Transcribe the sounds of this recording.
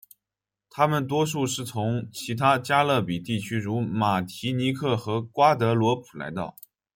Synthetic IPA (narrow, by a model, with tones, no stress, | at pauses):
t̪ʰa˥mə˨nt̪wɔ˥ʂu˥˧ʂɻ̩˥˩t͡sʰʊ˧˥ŋt͡ɕʰi˧˥t̪ʰa˥t͡ɕja˥lɤ˥˩pi˨˩t̪i˥˩t͡ɕʰy˥ɻu˧˥ma˨˩t̪ʰi˧˥ni˧˥kʰɤ˥˩xɤ˧˥kwa˥t̪ɤ˧˥lwɔ˧˥pʰu̥˨˩la̰˧˥ɪt̪ɑ̰˥˩ʊ